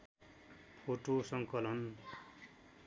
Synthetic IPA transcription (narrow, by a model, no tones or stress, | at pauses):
pʰoʈosʌŋkʌlʌn